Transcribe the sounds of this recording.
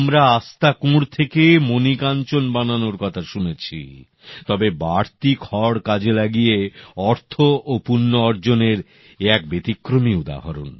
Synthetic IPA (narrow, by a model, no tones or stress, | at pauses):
mɾaast̪akũɾt̪ʰekemonikant͡ɕonbananoɾkɔt̪ʰaʃunet͡ɕʰḭ | t̪ɔbebaɽt̪ikʰɔɽkad͡ʑelaɡijeɔɾt̪ʰoʔopunːoɔɾd͡ʑoneɾ | ɛk̚bet̪ikːɾomiud̪a̰ɦaɾo̰n